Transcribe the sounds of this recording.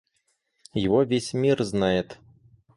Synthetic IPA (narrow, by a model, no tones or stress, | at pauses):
jaɣɔvʲesʲmʲirznajɛt̪